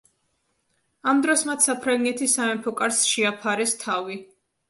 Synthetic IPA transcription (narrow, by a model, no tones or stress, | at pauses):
amd̪ɾɔsmat̪ʰsapʰɾaŋɡɛt̪ʰisamɛmpʰɔkʼaɾsʃiapʰaɾɛst̪ʰavi